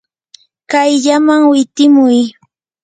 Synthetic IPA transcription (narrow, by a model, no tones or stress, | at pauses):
kajʎamaŋwɪt̪ɪmʊj